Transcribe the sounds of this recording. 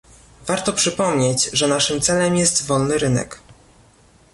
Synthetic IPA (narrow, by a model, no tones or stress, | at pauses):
vaɾt̪ɔpʂɘpɔmɲed͡ʑʐɛnaʂɘmt̪sɛlɛmjɛst̪vɔlnɘɾɘnɛ̰k